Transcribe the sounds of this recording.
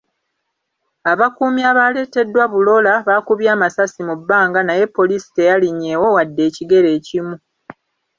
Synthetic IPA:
aβakuːmiaβaːle̞ːte̞dːwaβulo̞laβaːkuβjaːmasasimubːaːŋɡanaje̞pːo̞lisi̥te̞jaliɲːe̞ːwo̞wadːe̞ːciɡe̞ɾe̞ːcimu

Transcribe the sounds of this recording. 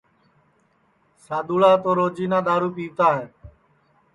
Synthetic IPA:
saːd̪uːlaːt̪oːɾoːd͡ʒiːnãːɗ̪aːɾuːpiːʋt̪aːɦen

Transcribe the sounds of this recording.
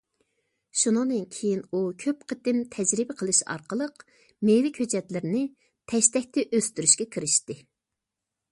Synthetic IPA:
ʃunɨŋd̪ɨnkʲʰejinukʲʰøpqʰət̪ɪmt̪ʰɛd͡ʒɾɪbɪqʰəlˠɨʃɑ̰ɾqəlˠəq | mejlɪkʲhød͡ʒɛt̪lɪɾɪnɪ | t̪ʰɛʃt̪ɛk̚ʲt̪ɛʔøst̪yɾyʃkʲɛkʲʰiɾɪʃt̪ɪ

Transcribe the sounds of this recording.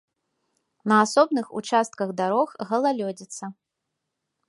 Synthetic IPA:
nɐasɔbnɨxṵt͡ʂast̪kɐɣd̪aɾɔxɣɐlˠalʲɔd͡zʲit̪sːɐ

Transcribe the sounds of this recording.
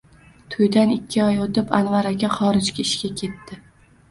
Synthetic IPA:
t̪ʰʊjd̪anɪkʲʰːɪɒjot̪ɪpa̰nvaɾakʲaχɒɾɪd͡ʒkʲaɪʃkʲakʲʰe̞t̪ːɪ

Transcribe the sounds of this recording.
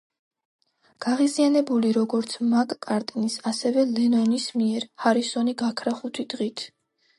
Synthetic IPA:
ɡ̥aʁizianɛbuliɾɔɡɔɾt̪sʰmakʼkʼaɾt̪ʼnisasɛvɛlɛnɔnismiɛɾhaɾisɔniɡakʰɾaχut̪ʰid̪ʁit̪ʰ

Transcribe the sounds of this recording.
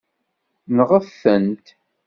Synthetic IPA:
nʁəfːənt̪

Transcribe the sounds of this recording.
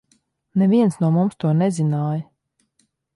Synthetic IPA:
nɛvʲiɛnsnuɔmumst̪uɔnɛzʲinaːj

